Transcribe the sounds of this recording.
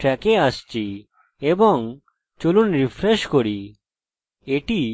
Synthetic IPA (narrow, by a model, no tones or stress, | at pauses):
ʈɾɛkeast͡ɕi | ebɔŋ | t͡ɕolunɾipʰɾeʃkoɾi | eʈi